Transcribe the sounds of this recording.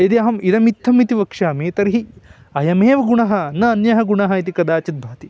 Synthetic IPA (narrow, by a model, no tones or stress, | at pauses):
it̪iɐɦɐmiɾɐmit̪ʰːɐmit̪iʋɐkʂaːmeːt̪ɐɾɦi | ɐjɐmeːʋɐɡuɳɐɦɐ̆nɐːnjɐɦɐɡuɳɐɦɐit̪̬ikɐd̪aːt͡ʃɐt̪̚bʱaːt̪i